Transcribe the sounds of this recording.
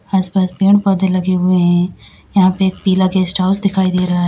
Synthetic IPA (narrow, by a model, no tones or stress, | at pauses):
aːspaːspeːɳ̃pɐd̪elɐɡeuẽɦɛ̃ | jɐɦãpeeːk̚piːlaɡeːsʈaːʊsd̪ɪkʰaːid̪eːɾɐɦaɦɛ